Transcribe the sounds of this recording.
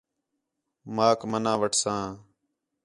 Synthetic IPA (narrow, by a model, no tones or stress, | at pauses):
maːkmənãːʋəʈʰsãː